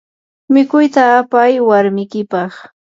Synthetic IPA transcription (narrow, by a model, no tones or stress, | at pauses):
mɪkʊjt̪aːpajwaɾmɪkɪpɑχ